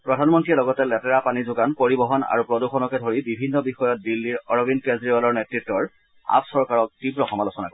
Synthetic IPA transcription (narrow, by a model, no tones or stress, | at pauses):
pɹɔdʱanmɔntɹiɛlɔɡɔtɛlɛtɛɹapanizʊɡanpoɹibɔɦɔna̰ɹupɹɔduxɔnɔkɛdʱoɹibibʱinːɔbixɔjɔt̚dilːiɹɔɹɔbinkezɹivalɔɹnetɹitːɔɹ | a̰psɔɹkaɹɔk̚tibɹɔxɔmalɔsɔna̰kɔ